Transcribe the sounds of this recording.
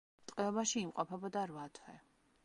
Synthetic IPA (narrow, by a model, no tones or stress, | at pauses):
t̪ʼqʼɛɔbaʃiːmqʼɔpʰɛbɔd̪aɾvat̪ʰwɛ